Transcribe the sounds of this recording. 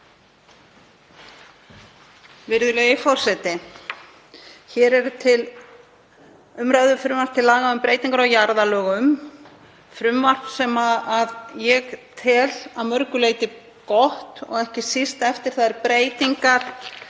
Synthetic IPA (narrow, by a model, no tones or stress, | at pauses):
vɪɾðʏlœːjɪfɔɾ̥sɛt̪ɪ | çɛːɾɛɾʏt̪ʰɪl | ʏmɾaðʏfɾʏmvar̥t̪ʰːɪlːaːɣaʏmpɾeːjt̪iŋkaɾawjaɾðalœːɣʏm | fɾʏmvar̥t̪sɛmaðaðjɛɣt̪ʰɛːlaðmœɾkʏleːjt̪ɪ | kɔht̪ɔ̰ɣɛhcɪsist̪ɛft̪ɪɾ̥θaðɛɾpɾeːjt̪iŋkaɾ̥